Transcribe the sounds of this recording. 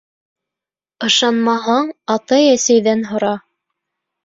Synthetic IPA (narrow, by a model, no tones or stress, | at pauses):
ɤ̆ʃɑnmɑɦɑɴɑt̪ɑjæsæjðænɦŏɾɑ